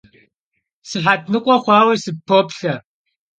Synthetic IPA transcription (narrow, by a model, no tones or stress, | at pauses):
sɨħat̚ʰnɨkʷʼɔχʷɑːwɐsɨpʰːoːpɬɐ